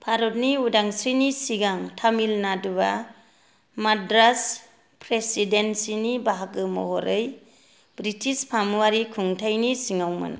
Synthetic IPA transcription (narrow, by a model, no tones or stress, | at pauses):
pʰaɾɔt̚niudaŋsinisiɡaŋtʰamilnaduba | madɾas | pʰɾesidensinibaɦak̚ɯmɔ̰ɦɔɾɯj | bɾitʰispʰamuwaɾikʰuŋtʰajnisiŋawmɯ̰n̰